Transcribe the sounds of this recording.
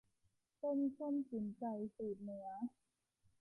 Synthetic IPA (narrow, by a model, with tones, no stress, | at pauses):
pe˧nkʰo˥˩nsi˩˦nt͡ɕa˧jsiː˨˩t̪̚nɯ˩˦ɐ